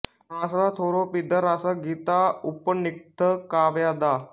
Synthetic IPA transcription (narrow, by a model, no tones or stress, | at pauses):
ɾasdat̪ʰoɾopid̪ʱəɾasaɡiːt̪aupənik̚t̪ʰəkaʋjad̪a